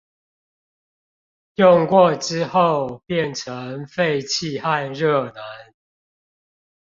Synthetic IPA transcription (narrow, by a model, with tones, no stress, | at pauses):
jɔ˥˨ŋkwɔ˥˨ʈ͡ʂɻ̩˦xo˥˨ʊpjɛ˥˨nʈ͡ʂʰə˨˦ŋfe˥˨ɪt͡ɕʰi˥˨ha˥˧nɻɤ˥˨˩na˨˦n